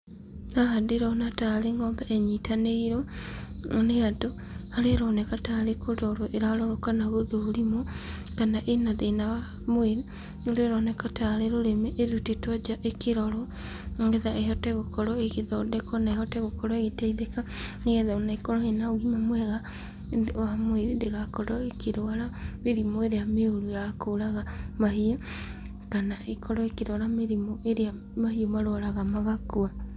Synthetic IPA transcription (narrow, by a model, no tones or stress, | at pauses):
naɦadeɾɔnataɾeŋɡɔːmbɛʔɛɲitaneiɾɔ | neado | haɾeɾɔnɛkataɾekoɾɔɾoʔeɾaɾɔɾokanaɣoðoːɾimo | kanaʔenaðenawa | mweɾu | noɾeɾɔnɛkataɾeɾoɾemeʔːðutetɔd͡ʒaʔekeɾɔɾɔ | ŋɡɛðaeɦɔtɛɣokɔɾɔeɣeðaodɛkɔnaeɦɔtɛɣokɔɾɔeɣetɛiðekaneɣɛðaonaekɔɾɔhenaoɣimamwɛɣa | amweðindeɣakɔɾɔekeɾoaɾameɾimɔeɾeameoɾujakoːɾaɣamahio | kanaekʰɔɾɔekiɾwaɾameɾimɔeɾea | mahiomaɾoaɾaɣamaɣakua